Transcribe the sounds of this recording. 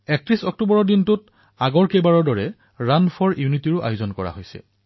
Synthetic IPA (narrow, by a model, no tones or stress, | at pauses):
ɛk̚tɹisɔk̚tubɔɹɔɹdintʊt | aɡɔɹkebaɹɔɹdɔɹɛ | ɹanpʰɔɹijunitiɹʊʔa̰jʊzɔnkɔɹa̰ɦojsɛ̰